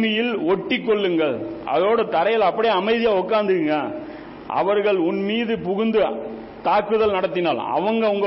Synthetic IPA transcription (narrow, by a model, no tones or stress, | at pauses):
mɪjɪlɔʈːɪkːɔɭːɯŋɡɐɭʔɐ̰ðɐɾoːɽɐt̪ɐɾɐjɐlɐpːɐɽɪɐmɐɪðɪjaːɔkːaːnd̪ɯɣɯŋɡɐ | ʔɐ̰ʋɐɾɣɐɭʊnmiːðɯpʊɣʊnd̪ɯ | t̪aːkːɯðɐlnɐɽɐt̪̬ːɪnaːlɐ̰ʋɐŋɡɐʊŋɡɐ